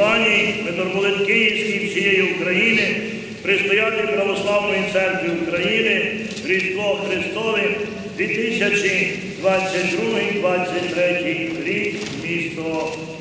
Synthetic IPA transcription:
ɑnʲiʋet̪ɔrpɔlˠɪt̪kɪjiwsʲkʲiwsʲijejiukɾɐjinɪ | pɾɪst̪ɔjat̪ʲɪpɾɐʋɔslˠɑwnɔjit̪sɛrkʋʲiukɾɐjinɪ | ɾʲit̪t̪ʋɔxɾɪst̪ɔʋɪm | d̪ʋʲit̪ɪsʲɐt͡ʃi | d̪ʋɑt͡sʲːɐt̚ʲd̪ɾuɦɪmd̪ʋɑt͡sʲːɐt̚ʲt̪ɾɛtʲiɾʲik | mʲist̪ɔɔ

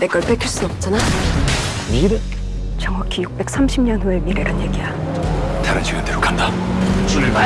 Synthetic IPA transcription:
dek͈ʌɭpʰekʰeɭs͈unʌp̚t͡ɕ͈ana | miɡide | t͡ɕʌŋwakʰijuk̚p͈e̞k̚s͈ʰamɕʰimɲʌnɦuemiɾeɾanje̞ɡija | taɾɯnt͡ɕʰiɡjʌndeɾokanda | t͡ɕuɾɯma

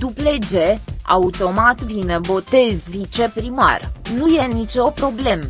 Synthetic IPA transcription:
d̪̥upled͡ʒe̞a̰ut̪o̞mat̪vinebo̞t̪e̞zvit͡ʃe̞pɾima̰rnuje̞nit͡ʃo̞pɾo̞ble̞m

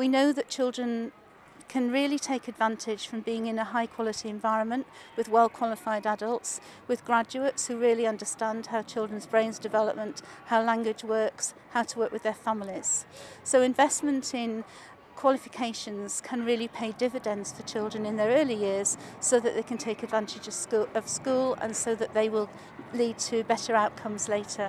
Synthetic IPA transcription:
winoʊðɨt̚t͡ʃʰɪlˠdɹə̃n | kʰɨ̃nɹɪəlˠitʰeɪkɨdvãntʰɪd̥ʒ̥fɹə̃mbiɪ̃ŋɪ̃nəɦaɪkʰw̥ɒlˠɨtiɨ̃ɱvaɪɹə̃nmə̃nʔwɨðwɛlˠkʰw̥ɑlˠɪfaɪdadəlˠts | wɨðɡɹad͡ʒʉətshʉɹɪəlˠiʌ̃ndəstæ̃nd̥haʊt͡ʃʰɪlˠdɹə̃nzbɹẽɪ̃nzdɨvɛləp̚mə̃nʔhaʊlæ̃ŋɡwɨd͡ʒwɜˑ˞ks | haʊtʰəwɜˑ˞kwɨðə˞famliz̥soʊɪ̃ɱvɛsmə̃ntʰɪ̃n | kʰw̥ɒlɪfɪkʰeɪʃə̃nz̥kʰə̃nɹɪəlipʰeɪdɪvɨdə̃nz̥fət͡ʃʰɪlˠdɹə̃nɪ̃nðə˞ɜːlijɪəz̥soʊðəʔðeɪkʰə̃ntʰeɪkɨdvãntɪd͡ʒʌ̥ʌv̥skuːlə̰̃nsoʊðəʔðeɪwɪlˠ | lid̚tʰɨbɛtə˞aʊʔ̚kʰʌ̃mzleɪtʰə

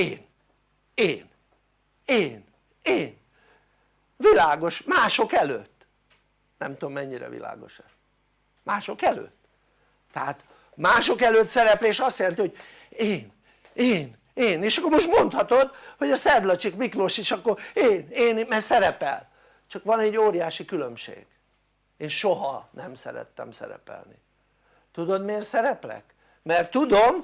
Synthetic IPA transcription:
eːn | eːn | eːn | eːn | vilaːɡo̞ʃmaːʃo̞kɛlø̰ːt̪ː | nɛmt̪oomːɛɲːiɾɛ̰vḭla̰ːɡo̞̰ʃɛ | maːʃo̞kɛlø̰ːt̪ː | ɛɦaːt̪ | maːʃokɛløːt̪sɛɾɛpleːʃɒst̪jɛlɛnt̪ioɟ̥̚ | eːn | eːn | eːneːʃɒkːoɾmo̞ʃt̪mo̞nt̪hɒt̪o̞d̪ho̞ɟɒsɛd̪lɒt͡ʃikmiklo̞ʃiʃɒkːoreːneːnmɛsɛɾɛpɛ̰l | t͡ʃɒkʋɒnɛɟːoːɾijaːʃikylømʃḛːɡ̥ | eːnʃoɦɒnɛmsɛ̰ɾɛ̰t̪ːɛ̰msɛ̰ɾɛ̰pɛ̰lni | t̪ud̪o̞d̪meːrsɛɾɛplɛ̰k | mɛrt̪ːud̪om

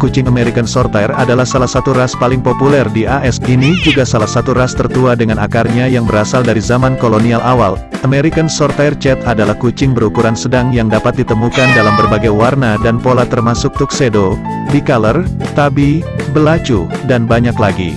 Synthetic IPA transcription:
kut͡ʃɪŋameɾikansɔrt̪ajradalahsalahsat̪uɾaspalɪŋpopulɛrdiʔaʔɛsinid͡ʒuɡasalahsat̪uɾast̪ərt̪uadəŋanakarɲajaŋbəɾasaldaɾizamankolonialʔawa̰l | ʔameɾikansɔrt̪ajrt͡ʃɛt̪adalahkut͡ʃɪŋbəɾukuɾansədaŋjaŋdapat̪̚dit̪əmukandalambərbaɡajwarnadanpolat̪ərmasʊk̚t̪uksedo | bikalərt̪abibəlat͡ʃudanbaɲaklaɡḭ

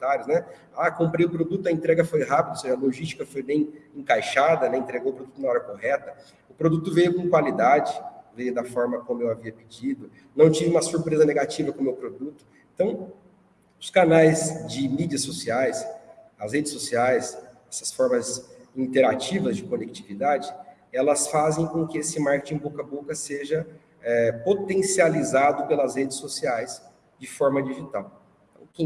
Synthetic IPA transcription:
t̪aɾjʊsnɛ | akõmpɾejʊpɾod̪ut̪ʊɐẽnt̪ɾɛɡɐfojɦapid̪ʊoseʒɐloʒist͡ʃi̥kɐfojbẽj̃ẽkajʃad̪ɐnɛẽnt̪ɾeɡowʊpɾod̪ut̪ʊnɐaɔɾɐkohɛt̪ɐ | ʊpɾod̪ut̪ʊvejʊkõkwalid̪ad͡ʒɪvejʊd̪ɐfɔɾmɐkõmʊewaviɐpid͡ʒid̪ʊ | nɐ̃w̃t͡ʃivɪũmɐsuɾpɾezɐneɡat͡ʃivɐkõmewpɾod̪ut̪ʊ̥ẽnt̪ɐ̃w̃ | ʊskanajzd͡ʒɪmid͡ʒiɐsosiajsɐshed͡ʒɪsːosiajsɛsɐsfɔɾmɐzĩnt̪eɾat͡ʃivɐzd͡ʒɪkonek̚t͡ʃivid̪ad͡ʒɪ | ɛlɐsfazẽj̃kõkɪesɪmaɾket͡ʃĩbokɐbokɐseʒɐ | ɛpot̪ẽsializad̪ʊpelɐshed͡ʒɪsːosiajs | d͡ʒɪfɔɾmɐd͡ʒiʒit̪aw̪ | ɐ̃w̃kẽ

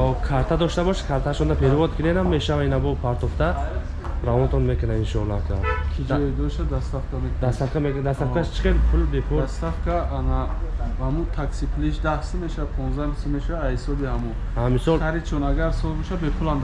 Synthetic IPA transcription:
ɔkʰaɾt̪ʰad̪ɔʃt̪abɔʃkʰaɾt̪ʰaʃɔnd̪apʰeɾivɔd̪̚kʰinenamːeʃavainabɔpʰaɾt̪ʰɔft̪a | ɾavɔnt̪ʰɔnmekənainʃɔnakʰakʰid͡ʒɔid̪ɔʃad̪ast̪afkʰamekd̪ast̪afkʰamekd̪ast̪afkʰaʃt͡ʃʰi̥χenpʰulbepʰulast̪afkʰaanaamut̪ʰaksipʰliʃd̪ahsəmeʃapʰɔ̃nzd̪amisumeʃaaahisɔbihamu | amisɔlsaɾit͡ʃʰɔnaɡaɾsɔlˠbɔʃabepʰulan

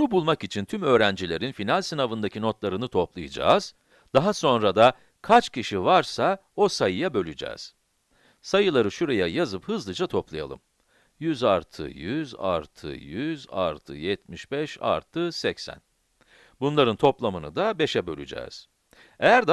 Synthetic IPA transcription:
bunubulˠmakit͡ʃʰint̪ʰymø̞ːɾænd͡ʒilʲe̞ɾinfinalʲsinavɯnd̪acʰino̞t̪lˠaɾɯnɯt̪ʰo̞plˠɯjad͡ʒa̰ːz̥ | d̪aɦaso̞nɾad̪a | kʰat͡ʃcʰiʃivaɾsao̞sajɯjabø̞lʲyd͡ʒɛ̰ːz̥ | sajɯlˠaɾɯʃuɾe̞jajazɯphɯzlˠɯd͡ʒat̪ʰo̞plˠaja̰lˠɯ̰m | jyzaɾt̪ʰɯ̰jyza̰ɾt̪ʰɯ̰jyza̰ɾt̪ʰɯ̰jɛt̪miʃbɛʃa̰ɾt̪ʰɯsɛcsæ̰n | bunlˠaɾɯnt̪ʰo̞plˠamɯnɯ̰d̪abe̞ʃɛbø̞lʲy̰d͡ʒɛ̰ːz̥ | ejæɾd̪

